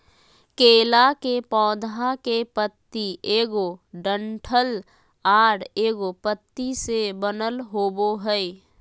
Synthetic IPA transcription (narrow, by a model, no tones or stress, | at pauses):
keːlakepɔːd̪ʱakepət̪ːieːɡoɖəɳʈʰəl | aːɽeːɡopət̪ːisebənəlɦoːboɦəi